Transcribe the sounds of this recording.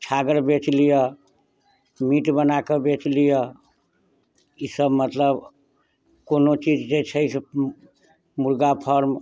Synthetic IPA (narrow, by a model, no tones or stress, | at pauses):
t͡ʃʰaɡəɾbet͡ʃlijə | miʈbənakebet͡ʃlijə | isəbmət̪ləb | konot͡ʃid͡ʒd͡ʒet͡ʃʰəjsʰ | muɾɡapʰəɾm